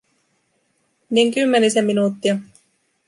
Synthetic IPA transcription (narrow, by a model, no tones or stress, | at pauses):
niŋkymːenisemːinuːt̪ːiɑ